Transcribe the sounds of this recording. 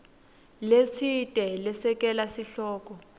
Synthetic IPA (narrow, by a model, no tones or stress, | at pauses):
let͡sʰitʼɛlɛsɛk̬ʼɛlasiɬɔːk̬ʼɔ